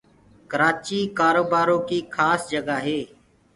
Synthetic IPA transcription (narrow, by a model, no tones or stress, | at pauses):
kəɾaːt͡ʃiːkaːɾoːbaːɾõːkiːkʰaːsd͡ʒəɡaːɦeː